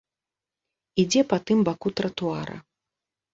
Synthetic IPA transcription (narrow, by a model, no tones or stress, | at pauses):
id͡zʲɛpɐt̪ɨmbakut̪ɾɐt̪uaɾɐ̰